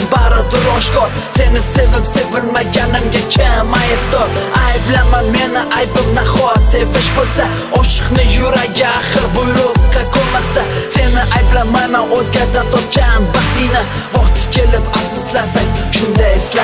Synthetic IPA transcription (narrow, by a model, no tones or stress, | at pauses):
baɾɪd̪ʊɾɒʃkɒɾ | se̞nɪsevɪpsevɪlmaɡʲanɪmɡʲakʲʰamajɪpd̪ɒɾ | ajblamanme̞nɪʔajbɪmnaχɒse̞vɪʃbolˠsa | ɒʃɨ̥qnɪjʊɾaɡʲaχɨɾbʊjɾʊqqɑkʰomasase̞nɪʔajblamajmanozɡʲaɾd̪ant̪ʰɒp̚kʲʰanbat̪ijna | vɒχt̪ʰɪ̥kʲʰe̞lɪpafsʊslasaŋʲʃʊnd̪ajɪsla